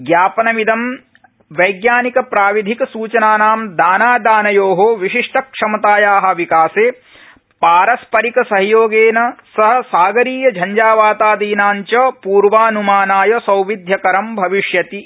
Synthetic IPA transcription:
ɡjaːpɐnɐmid̪ɐm | ʋɐjɡjaːnikɐpɾaːʋid̪ʱikɐsuːt͡ʃɐnaːnaːmd̪aːnaːd̪aːnɐjoːɦoʋiʃiʂʈɐkʂɐmɐt̪aːjaːɦɐ̆ʋikaːseː | paːɾɐspɐɾikɐsɐɦjoːɡeːnɐsɐɦɐ̆saːɡɐɾiːjɐd͡ʒʱɐɲd͡ʒaːʋaːt̪aːd̪iːnaːɲt͡ʃɐpuːɾʋaːnumaːnaːjɐsɐwʋid̪ʱjɐkɐɾɐmbʱɐʋiʂjɐt̪i

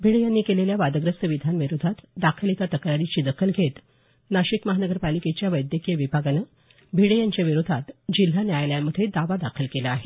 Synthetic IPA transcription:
bʱiɽejanːiːkeleljaʋad̪əɡɾəst̪əʋid̪ʱanʋiɾod̪ʱat̪d̪akʰəlik̪at̪əkɾaɾit͡ɕiːd̪əkʰəlɡʱet̪ | naɕikməɦanəɡəɾpaliket͡ɕjaʋəjd̪jəkijəʋibʱaɡanə | bʱiɽejaɲt͡ɕaʋiɾod̪ʱat̪d͡ʑil̤ɦanjajljaməd̪ʱed̪aʋad̪akʰəlkelaaɦe

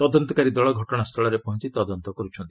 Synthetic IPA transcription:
t̪ɔd̪ɔnt̪ɔkaɾid̪ɔɭɔɡʱɔʈɔɽ̃ast̪ʰɔɭɔɾepɔɦɔnt͡ʃit̪ɔd̪ɔnt̪ɔkɔɾut͡ʃʰɔnt̪ii

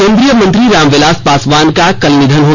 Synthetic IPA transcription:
kẽːnd̪ɾijəmɐ̃nt̪ɾiɾaːmʋelaːspaːsʋaːnkakɐlnɪd̪ʱənɦoː

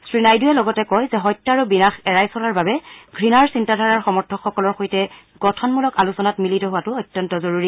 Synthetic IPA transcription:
sɹinajdujɛlɔɡɔtɛkɔjzɛɦɔjtːɔaɹubinaxɛɹajsɔlaɹbabɛɡʱɹinaɹsintadʱaɹaɹxɔmɔɹtʰɔkxːɔkɔlɔɹxoitɛ | ɡ̥ɔtʰɔnmulɔkalusɔnatmilitɔɦʊwatʊɔjtjɔntɔzoɹuɹi

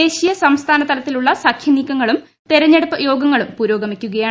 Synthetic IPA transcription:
eːɕijɐsɐmst̪ʰaːnɐt̪ʰɐlɐt̪ːiluɭːɐsɐkʰjɐniːkːɐŋːɐɭum | t̪eɾɐɲːeɽupːɐjo̞ːɡɐŋːɐɭumpuːɾo̞ːɡɐmikʲːuɣɐjaː

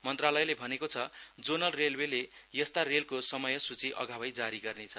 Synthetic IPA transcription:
mʌnt̪ralʌjlebʱʌnekot͡sʰʌd͡zonʌlrelbelejʌst̪arelkosʌmʌjʌsut͡siʔʌ̰ɡʱabʌjd͡zaɾiɡʌrnet͡sʰʌ

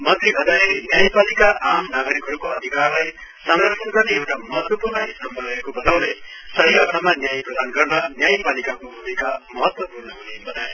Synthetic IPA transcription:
mʌt̪ʰɾibʱʌd̪ajenjajpalikaʔamnaɡʌɾikɦʌɾukoʌd̪ʱikaɾlaj | samd̪ʌɾsʰʌnɡʌɾneewʈamʌɦʌt̪wʌpuɾnʌɦisʌmbʱʌɡekobʌt̪aw̃lej | sʌɦiʌt̪ʰamanjajpɾʌd̪ʱanɡʌɾnʌnjajpalikakobuikamʌɦʌt̪wʌpuɾnʌmunebʱʌd̪aj

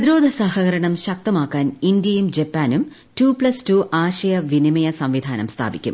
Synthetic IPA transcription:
ɐd̪iɾo̞ːd̪ʱɐsahɐɣɐɾɐɳɐmɕɐk̚t̪ɐmaːkːaːnind̪jɐjumd͡ʑepːaːnum | tuːpɭɐstuːʔaːɕɐjɐʋinimɐjɐsɐmʋid̪ʱaːnɐ̰mst̪ʰa̰ːbikʲːṵm

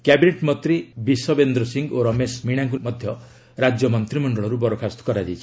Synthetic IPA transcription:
kjabineʈmɔt̪ɾibisɔbend̪ɾɔsiŋɡoɾɔmesmiɽ̃aŋkumɔd̪ʱjɔ | ɾad͡ʒjɔmɔnt̪ɾimɔɳɖɔɭɔɾubɔɾokʰast̪ɔ̥kɔɾad͡ʒijt͡ʃʰi̥

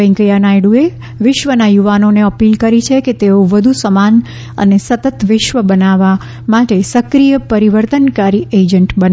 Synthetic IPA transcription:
əĩkəjanajɽũe | ʋɪʃʋənajuʋanoneəpilkəɾit͡ʃʰeket̪eoʋəd̪ʱusəman | ə̰nesət̪ət̪ʋɪʃʋəbənaʋa | maʈesəkɾijəpəɾiʋəɾt̪ənkaɾied͡ʒəɳʈbən

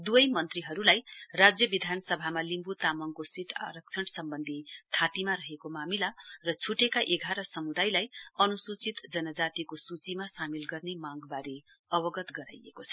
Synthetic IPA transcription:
d̪uʌjmʌnt̪riɦʌɾulajrad͡zjʌbid̪ʱanʌsʌbʱamalimbut̪amʌŋkosiʈʰa̰ɾʌk̚t͡sʰʌɽsʌmbʌnd̪ʱit̪ʰat̪imaɾʌɦekomamilarʌt͡sʰuʈekaʔeɡʱaɾʌsʌmud̪ajlajʌnusut͡sit̪d͡zʌnʌd͡zat̪ikosut͡simasamilɡʌrnemãɡbaɾe | ʌbʌɡʌt̪ɡʌɾa̰jḛkot͡sʰʌ

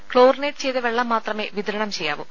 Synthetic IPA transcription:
kɭoːɾneːt̪̚t͡ʃeːt̪ɐʋɛɭːɐmːaːt̪ɾɐme̞ːʋid̪ʱɐɾɐɳɐmt͡ɕeja̰ːʋu

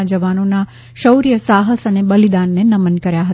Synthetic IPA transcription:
d͡ʒəʋanona | ʃəwɾijəsaɦəsənebəlid̪anːenəmənkəɾjaɦət̪

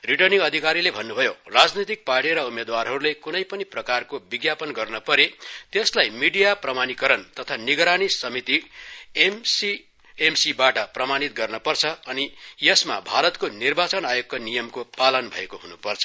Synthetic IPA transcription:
riʈʌrnĩŋɡʌd̪ʱikaɾilebʱʌnːubʱʌjorad͡znit̪̬ik̚paʈiɾʌumed̪warɦʌɾulekunʌjpʌniprʌkarkobiɡjapʌnɡʌrnʌpʌɾet̪eslajmiɽijaprʌmanikʌɾʌnt̪ʌt̪ʰaniɡɾanisʌmit̪i | i | emsibaʈʌprʌmanit̪̚ɡʌrnʌpʌrt͡sʰʌʌnijʌsma̰bʱaɾʌt̪konirbat͡sʌnajok̚ːʌnijʌmkopalʌnbʱʌ̰ekoɦunupʌrt͡sʰʌ̥

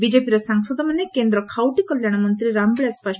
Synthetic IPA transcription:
bid͡ʒepiɾɔsɐŋsɔd̪ʱɐmɐnːekeːnd̪ɾɔkʰawʈikɔljaɽ̃ɐmɐnt̪ɾiɾambɭaspa

